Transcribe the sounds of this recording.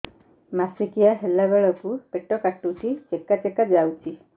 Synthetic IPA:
masikijaɦelːabeɭɔkupeʈɔkaʈut͡ʃʰit͡ʃekːat͡ʃekad͡ʒawt͡ʃʰi

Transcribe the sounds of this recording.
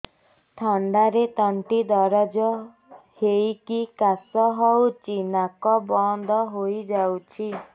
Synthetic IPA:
t̪ʰɔɳɖaɾet̪ɔɳʈid̪ɔɾad͡ʒɔ | hejkikasɔɦɔwt͡ʃʰinakɔbɔnd̪ʱɔɦojd͡ʒawt͡ʃʰi

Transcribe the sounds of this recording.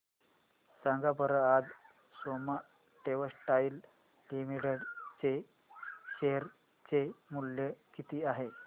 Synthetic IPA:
sãŋɡabəɾəad͡z | soma | ʈeʋəsʈail | ʈimiɽəɽt͡se | ɕeɾ | t͡ɕemuljəkit̪iːaɦe

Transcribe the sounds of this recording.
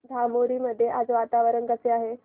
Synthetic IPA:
d̪ʱamoɾiːməd̪ʱːjeʔad͡zʋat̪aʋəɾənɡəseaɦe

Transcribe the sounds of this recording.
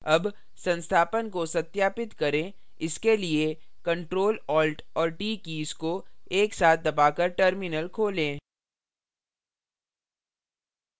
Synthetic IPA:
ɐb | sɐ̃nst̪ʰaːpənkosɐt̪jaːpɪt̪kɐɾẽː | ɪskelie | kɐ̃ɳʈɾoːlɔːlʈɔːɾʈiːkiːskoeːksaːt̪̚ʰd̪ɐbaːkɐɾʈəɾmɪnəlkʰoːlẽː

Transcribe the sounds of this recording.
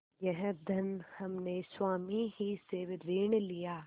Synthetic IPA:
jɛɦɛ̃d̪ʱɐnhɐmneswaːmiɦiseʋɾeːɳ̃lijaː

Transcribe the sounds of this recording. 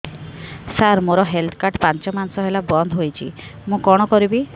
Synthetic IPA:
saɾmoɾɔɦelt̪ʰkaɾʈpant͡ʃɔmanɔsɔɦelabɔnd̪ʱɦojt͡ʃʰḭmũkɔɽ̃ɔkɔɾibi

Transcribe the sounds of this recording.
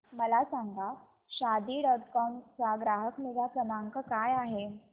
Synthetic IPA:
məlasaŋɡa | ɕad̪iːɖɔʈkɔmt͡saɡɾaɦəkmed͡zapɾənaŋkəkajaɦe

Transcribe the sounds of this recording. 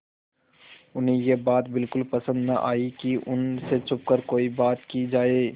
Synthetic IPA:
ʊnɦẽjebaːt̪bɪlkʊlpɐsə̃nd̪nɐʔaːikiʔʊnset͡ʃʰʊp̚kəɾkoːibaːt̪kid͡ʒaːeː

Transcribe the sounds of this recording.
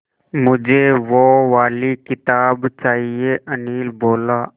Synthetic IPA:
mʊd͡ʒʱeʋoʋaːlikɪt̪aːbt͡ʃaːɦieʔəniːlboːlaː

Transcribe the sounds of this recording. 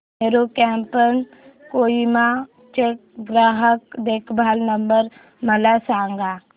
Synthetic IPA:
meːɾokɛ̃ːmpən | koːima | t͡ʃeʈ̚ɡɾaːɦəkd̪eːkʰbʱaːlnəmbəɾ | mɐlasaːŋɡaː

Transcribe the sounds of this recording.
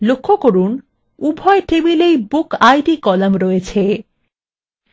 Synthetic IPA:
lokʰːokoɾun | ubʱɔeʈebilejbukajʈikɔlamɾɔet͡ɕʰe

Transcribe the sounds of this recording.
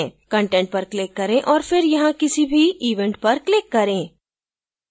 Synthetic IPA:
kɐ̃ɳʈɛ̃ɳʈ̚pɐɾklɪkːɐɾẽʔɔːɾfɪɾjɐɦãkɪsibʱiiːʋɛ̃ɳʈ̚pɐɾklɪkːɐɾẽː

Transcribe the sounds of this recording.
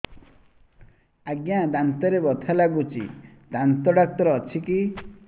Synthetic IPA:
aɡjãd̪ant̪ɔɾebɔt̪ʰalaɡut͡ʃḭ | d̪ant̪ɔɖak̚t̪ɔɾɔːt͡ʃʰiki

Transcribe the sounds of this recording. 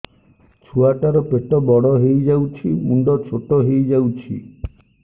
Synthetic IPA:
t͡ʃʰuaʈaɾɔpeʈɔbɔɽɔɦejd͡ʒawt͡ʃʰimuɳɖɔt͡ʃʰoʈɔɦejd͡ʒawt͡ʃʰḭ

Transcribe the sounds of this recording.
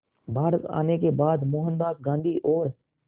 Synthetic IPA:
bʱaːɾət̪a̰ːnekebaːd̪moːɦənbaːb̚ɡãːnd̪ʱiːʔoːɾ

